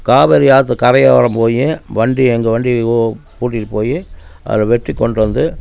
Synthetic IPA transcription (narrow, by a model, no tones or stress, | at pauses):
kaːʋɛɾijaːt̪ːɯkɐɾɐjaːʋɐɾɐmpoːjeʋɐɳɖiɛŋɡɐʋɐɳɖipuːʈ̬ːiʈɯpoːjeʔɐ̰ðɪlɐʋɛʈrikːɔɳɖɯʋɐnd̪ɯ